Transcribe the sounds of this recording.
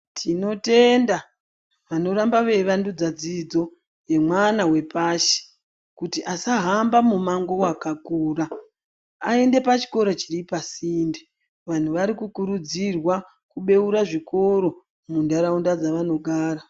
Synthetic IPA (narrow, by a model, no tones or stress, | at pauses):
tʰino̞te̞nda | ʋano̞ɾambaʋe̞ʋandud͡zad͡zid͡zo̞ | je̞mwanawe̞paʃe̥ | kutiʔasaɦambamumaŋɡo̞wakakuːraː | e̞nde̞pat͡ʃi̥ko̞ɾo̞t͡ʃiripasiːnde | ʋan̤uʋaɾikukuɾud͡zirwa | kuɓe̞uɾaʐiko̞ɾo̞ | mundaɾaundad͡zaʋano̞ɡʱaːɾa